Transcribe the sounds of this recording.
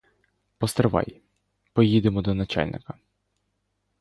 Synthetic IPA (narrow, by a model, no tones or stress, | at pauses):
pɔst̪ɾeʋɑ̰j | pɔjid̪emɔd̪ɔnɐt͡ʃa̰lʲnɪ̰kɐ